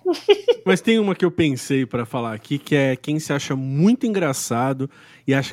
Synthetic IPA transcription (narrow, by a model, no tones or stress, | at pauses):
mɐst̪ẽj̃ũmɐkɪewpẽsejpɾɐfalaakʰikɪɛkẽj̃sɪaʃɐmũj̃t̪ʊĩŋɡɾasad̪ʊ | ɪaʃɐ̥